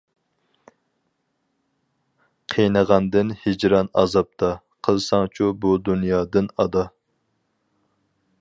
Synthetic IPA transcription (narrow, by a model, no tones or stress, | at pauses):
qʰejnəʁɑnd̪ɪnhid͡ʒɾɑnɑ̰zɑp̚t̪ʰɑ | qʰəlˠsɑŋt͡ʃʰubud̪unjɑːd̪ɨnɑd̪ɑ